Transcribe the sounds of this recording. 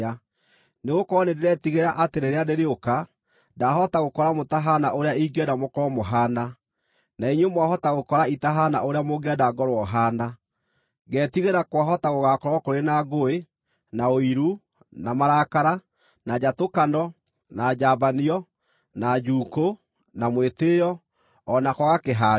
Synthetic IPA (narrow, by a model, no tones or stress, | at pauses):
a | neɣokɔnedeɾɛtiɣeɾaʔateɾeɾeadeɾeoka | daɦɔtaɣokɔɾamotaɦanaʔoɾeaiɡɛdamokɔmoɦaːna | naiɲwemwaɦɔtaɣokɔɾaitaɦanaʔoɾeamoɡeadaɡɔɾwɔɦaːna | ɡɛtiɣeɾakwaɦɔtaɣoɣakɔɾwakoɾenaɡoe | naoiɾu | namaɾakaɾa | nad͡ʑatokanɔ | nad͡ʑabaniɔ | nad͡ʒuːko | namwetejɔː | nakɔɣakeɦa